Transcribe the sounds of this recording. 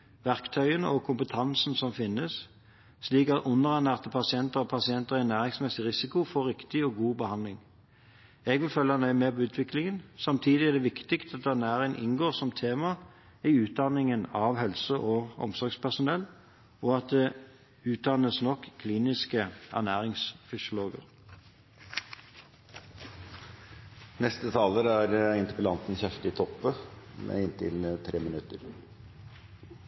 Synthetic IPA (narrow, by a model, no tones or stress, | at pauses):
ʋæʁkt̪ʰœʏənəɔkʰʊmpət̪ʰɑnsn̩sɔmfɪnːəs | sliːkɑt̪ʊnəʁɑnæːʁt̪əpʰɑsɪɛnt̪əʁɔpʰɑsɪɛnt̪əʁænæːʁɪŋsmɛsɪʁɪsɪkʊfoːɾɪkt̪ɪɔɡuːbəhɑnlɪŋ | ɛɡʋɪlfœlːənœʏmeːpʰɔʉːt̪ʰʋɪklɪŋənsɑmt̪ʰiːd̪ɪɛd̪ɛʋɪkt̪ɪkst̪ɑt̪ɑnæːɾɪŋʔɪ̰nɡoːʁsɔmt̪ʰeːmɑ | æʉːt̪̚d̪ɑnɪŋənɑʋhɛlsəʔoːɔ̰msɔɾɡspʰæʁsʊnɛlː | ɔːɑt̪̚d̪ɛ | ʉːt̪̚d̪ɑnəsnɔkkʰːliːnɪskəæ̰næːʁɪŋsfʏsɪʊloːɡə̰ʁ | nɛst̪ət̪ʰɑːləɾæɾɪnt̪ɪ̥pəlɑnt̪n̩çɛft̪ɪt̪ʰɔpːəmɛ̰ɪnt̪ʰɪ̰lnət̪ʰɾeːmənʉt̪əɾ